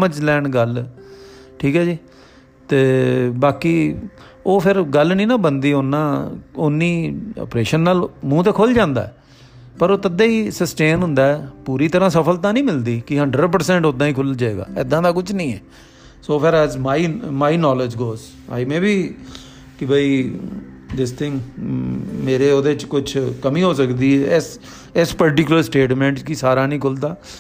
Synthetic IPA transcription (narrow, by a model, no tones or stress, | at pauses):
məd͡ʒlɛːɳɡəl | ʈʰiːkɦɛːd͡ʒiː | t̪eːbaːkiː | oːpʰɪɾɡəlnĩːnãːbənd̪iːʊnːãːʊnːiːɔ̰ːpɾeːʃənːaːlmũːt̪eːkʰʊld͡ʒãːnd̪a̰ːɛː | pəɾoːt̪əd̪aːiːsəsʈeːnɦʊ̃nd̪aːɛːpuːɾiːt̪əɾãːsəpʰəlt̪ãːnĩːmɪld̪iːkɪɦəɳɖɾəɖp̬əɾsɛ̃ːɳʈod̪ãːiːkʰʊld͡ʒaːeːɡa̰ːɛːd̪ãːd̪aːkʊt͡ʃʰnĩːɛː | soːpʰaːɾɛːzmaːimaːinɔːlɪd͡ʒɡoːz | a̰ːɪmẽːbiː | kɪbaːiː | d͡ʒɪst̪ʰɪ̃ŋ | meːɾeːoːd̪eːt͡ʃkʊt͡ʃʰkəmĩːɦoːsəkd̪iːɛːs | ɪspəɾʈ̬ɪkʊləɾsʈeːʈmɛ̃ːɳʈt͡ʃkisaːɾaːnĩːkʰʊld̪aː